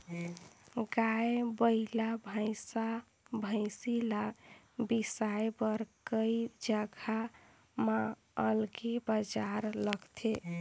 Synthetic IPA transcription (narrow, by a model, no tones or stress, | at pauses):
ɡaebəlabʱaɪsa | bʱə̃ɪsila | bisajbəɾkəjd͡ʒəɡʱa | mã | əlɡebad͡ʒaɾləɡt̪ʰe